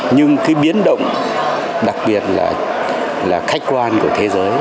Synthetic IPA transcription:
ɲɨ˧ŋkaː˨˦jɓi˨˦ənɗə̰˧˨wŋ͡m | ɗa˨˩k̚ɓi˨˩ət̚la̰ː˨˩ | laː˨˩xa˦˥jk̟̚kwaː˧nku˧˩ət̪ʰe˨˦zəː˨˦j

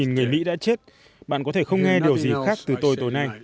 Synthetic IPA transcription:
i˨˩nŋɨ˨˩əjmḭ˧˥ɗa̰ː˧˥t͡ɕe˦˥t̚ | ɓa̰ː˧˨kɔ˨˦t̪ʰe˧˩xə˧wŋ͡mŋɛ˧ɗi˨˩əwzi˨˩xaː˦˥k̚t̪ɨ˨˩t̪o˧jt̪o˨˩jna˧j

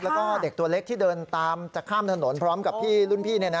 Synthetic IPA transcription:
lɛ˦˥wkɔː˥˩de˨˩t̪u˧ɐle˦˥k̪̚ʰiː˥˩dɤː˧nt̪aː˧mt͡ɕa˨˩kʰːaː˥˩mt̪ʰno˩˦npʰɾɔː˦˥mka˨˩p̚pʰiː˥˩lu˥˩npʰiː˥˩ni˥˩ɐna˦˥

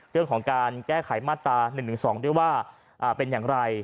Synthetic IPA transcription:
ɾɯ˥˩əŋkʰɔː˩˦ŋkaː˧nkɛː˥˩kʰa˨˩˦jmaː˥˩t̪ːɾaː˧nɯ˨˩ŋt̪ɯ˩˦sɔː˩˦ŋdu˥˩əjwaː˥˩ | ʔaː˨˩pe˧njaː˨˩ŋɾa˧j

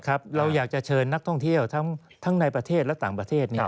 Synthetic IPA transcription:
kʰɾa˦˥p̚ɾa˧wjaː˨˩k̚t͡ɕa˨˩t͡ɕʰɤː˧nːa˦˥k̚t̪ʰɔ˥˩ŋt̪ʰi˥˩əwt̪ʰa˦˥ŋ | t̪ʰa˦˥ŋna˧jpɾa˧t̪ʰeː˥˩t̪̚lɛ˦˥wt̪aː˨˩ŋpɾa˧t̪ʰeː˥˩t̪̚niː˦˧˥

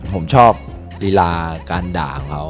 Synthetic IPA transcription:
pʰo˩˦mt͡ɕʰɔː˥˩p̚ | li˧laː˧kaː˧nda̰ː˨˩kŋkʰa˦˥w

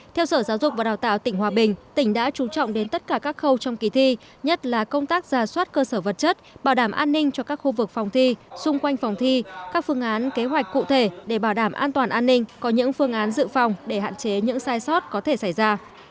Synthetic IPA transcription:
t̪ʰɛ˧wsəː˧˩zaː˨˦wzʊ˨˩k͡p̚vaː˨˩ɗaː˨˩wt̪a̰ː˧˨wt̪ï˧˩ŋ̟hwaː˨˩ɓï˨˩ŋ̟t̪ï˧˩ŋ̟ɗa̰ː˧˥t͡ɕu˨˦t͡ɕɔ̰˧˨wŋ͡mɗe˨˦nt̪ə˦˥t̚kaː˧˩kaː˦˥k̚xə˧wt͡ɕɔ˧wŋ͡mki˨˦t̪ʰi˧ | ɲə˦˥t̚laː˨˩kə˧wŋ͡mt̪aː˦˥k̚zaː˨˩swaː˦˥t̚kəː˧səː˧˩və˨˩t̚t͡ɕə˦˥t̚ɓaː˧˩wɗaː˧˩mʔaː˧nːï˧ŋ̟t͡ɕɔ˧kaː˦˥k̚xu˧vɨ˨˩k̚fɔ˨˩wŋ͡mt̪ʰi˧sʊ˧ŋ͡mkwa˧jŋ̟fɔ˨˩wŋ͡mt̪ʰi˧kaː˦˥k̚fɨ˧əŋʔaː˨˦nke˨˦ɦwa˨˩jk̟̚kṵ˧˨t̪ʰe˧˩ɗe˧˩ɓaː˧˩wɗaː˧˩mʔaː˧nt̪waː˨˩nʔaː˧nːï˧ŋ̟kɔ˨˦ɲɨ̰˧˥ŋfɨ˧əŋʔaː˨˦nzɨ̰˧˨fa˨˩wŋ͡mɗe˧˩ha̰ː˧˨nt͡ɕe˨˦ɲɨ̰˧˥ŋsaː˧jsɔ˦˥t̚kɔ˨˦t̪ʰe˧˩sa˧˩jzaː˧

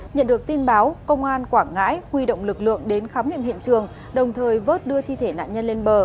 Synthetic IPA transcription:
ɲə̰˧˨nɗɨ˨˩ək̚t̪i˧nɓaː˨˦wkə˧wŋ͡mʔaː˧nkwaː˧˩ŋa̰ː˧˥jhwi˧ɗo̰˧˨wŋ͡mlɨ˨˩k̚lɨ̰˧˨əŋɗe˨˦nxaː˨˦mŋḭ˧əmhḭ˧˨ənt͡ɕɨ˨˩əŋ | ɗə˨˩wŋ͡mt̪ʰəː˨˩jvəː˦˥t̚ɗɨ˧ət̪ʰi˧t̪ʰe˧˩na̰ː˧˨nɲə˧nle˧nɓəː˨˩

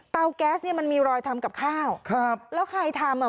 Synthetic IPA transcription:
t̪a˧wkɛː˦˥sni˥˩ɐma˧nmiː˧ɾɔː˧jt̪ʰa˧mka˨˩p̚kʰaː˥˩wkʰɾa˦˥p̚lɛː˦˥wkʰa˧jt̪ʰa˧mɔ˨˩

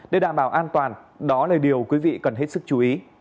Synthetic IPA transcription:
ɗe˧˩ɗaː˧˨mɓaː˧˩wʔaː˧nt̪waː˨˩nɗɔ˨˦laː˨˩ɗi˨˩əwkwi˨˦vḭ˧˨kə˨˩nɦe˦˥t̚sɨ˦˥k̚t͡ɕu˨˦ʔi˨˦

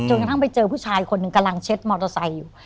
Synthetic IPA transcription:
t͡ɕo˧nka˧t̪ʰa˥˩p̬a˧jt͡ɕɤː˧pʰuː˥˩t͡ɕʰaː˧jkʰo˧nːɯ˨˩ŋka˧mla˧ŋt͡ɕʰe˦˥t̪̚mɔː˧t̪o˧sa˧jːuː˨˩

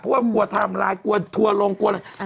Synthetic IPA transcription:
pʰu˦˥˩ku˧˩ət̪ʰa˧˩˨mlaː˨˦jku˧ət̪ʰu˧əlo˧ŋku˧əna˨˩

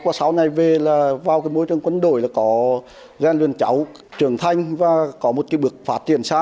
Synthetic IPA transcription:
kwaː˧˩sa˨˦wna˨˩jve˨˩laː˨˩vaː˨˩wkaː˨˦jmo˧˦jt͡ɕɨ˨˩əŋkwə˧nɗo̰˧˩˨jlaː˨˩kɔ˨˦ | zɛː˧˩nlwḭ˨˩ənt͡ɕa˨˦w | t͡ɕɨ˧˩əŋt̪ʰa˧jŋ̟vaː˨˩kɔ˨˦mo˨˩kaː˨˦ɓɨ˨˩ək̚faː˦˥t̚t͡ɕḭ˧˩ənsaː˧

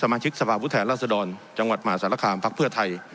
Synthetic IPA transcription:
sa˧maː˧t͡ɕʰi˦˥k̚sa˧pʰaː˧˩pʰu˦˥t̪ʰɛː˩˦nlaː˧˩t̪̚sa˧dɔː˧nt͡ɕa˧ŋwa˨˩t̪̚maː˩˦˥saː˨˦la˧kʰaː˧npʰa˦˥k̚pʰɯ˥˩ɐt̪ʰa˧j

